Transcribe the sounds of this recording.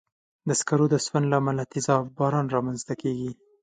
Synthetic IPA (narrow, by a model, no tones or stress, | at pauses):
d̪əskaɾod̪əswand̪laːmalat̪ɪzɑfbɑɾɑnɾɑmanzt̪akeɡi